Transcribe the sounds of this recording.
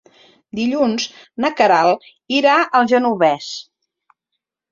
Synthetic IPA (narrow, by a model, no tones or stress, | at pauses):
d̪iʎunz | nəkəɾalˠ | iɾaʔəlˠʒənuβɛs